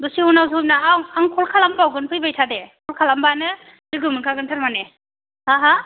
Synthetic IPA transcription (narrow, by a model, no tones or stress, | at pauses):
dusiɔnawzm̚naawaŋkʰɔlkʰalampawɡɯnpʰɯjbajtʰadekʰɔlkʰalambanɯ | zɯɡɯmɯnkʰaɡɯntʰaɾmane | haɦa